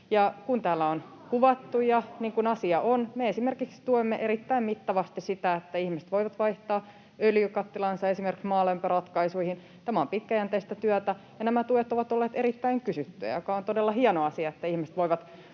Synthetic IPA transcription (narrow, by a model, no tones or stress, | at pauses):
jɑkunt̪æːlːæon | kuʋɑt̪ːujɑniːŋkunɑsiɑʔonmeesimerkikst̪uemːeʔeɾit̪ːæimmit̪ːɑʋɑst̪issit̪æet̪ːæihmisĕ̥t̪ʋoiʋɑt̪ʋɑiht̪ɑː | øljykɑt̪ːilɑnsɑesimerki̥ksmɑːlempørɑt̪kɑisuihin | t̪æmæompit̪kæjænt̪eist̪æt̪yæt̪æ | jɑnæmæt̪uet̪oʋɑt̪olːeːt̪eɾit̪ːæiŋkysyt̪ːyæ̰jokɑont̪odelːɑhiɑnoɑsiɑet̪ːæihmiset̪ʋoiʋɑt̪